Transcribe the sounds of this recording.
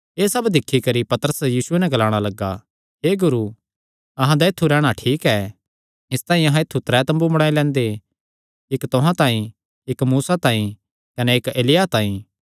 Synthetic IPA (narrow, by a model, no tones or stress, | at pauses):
eːsɐbd̪ɪkʰːikɐɾipɐt̪əɾəsjiːsʊenɛ̃ɡɐlaːɽ̃alɐɡːa | ɦeːɡʊɾu | ɐɦãd̪aet̪ʰːuɾɛːɽ̃aʈʰiːkɛː | ɪst̪ãːĩɐɦãɪt̪ʰːut̪ɾɛt̪ɐ̃mbumɐɽ̃aːelɛ̃ːnd̪e | ɪkt̪ʊɦãt̪ãːĩ | ɪkmuːsat̪ãːĩ | kɐneɪːkeːlɪjat̪ãːĩ